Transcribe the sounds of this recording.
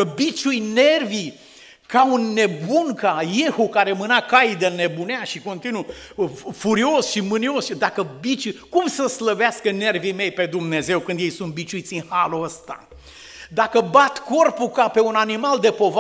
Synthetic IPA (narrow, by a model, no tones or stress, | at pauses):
əbit͡ʃujne̞rvi | kaunːe̞bunkajehukaɾemɨnakajd̪əne̞buneaʃiko̞nt̪inu | fuɾio̞sʃimɨnio̞sd̪akəbit͡ʃujkumsəsləveaskəne̞rvime̞jpe̞d̪umne̞ze̞wkɨnd̪jejsunt̪̚bit͡ʃuit̪sʲiŋhaloəst̪a̰ | d̪akəbat̪ko̞rpukape̞unanimald̪e̞po̞v